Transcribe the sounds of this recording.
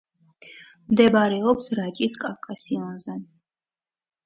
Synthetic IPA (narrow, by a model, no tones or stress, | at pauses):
md̪ɛbaɾɛɔpsɾat͡ʃʼiskʼafkʼasiɔnzɛn